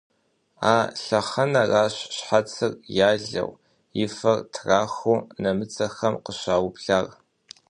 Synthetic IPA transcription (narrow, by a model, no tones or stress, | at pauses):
aːɬɐχɐnɐraːɕɕħat͡sʰɨrjaːɮɐ̰w | jɪfɐrtʰraːxonɐmɨt͡sʰʼɐxɐmqəɕaːwʊpɬaːr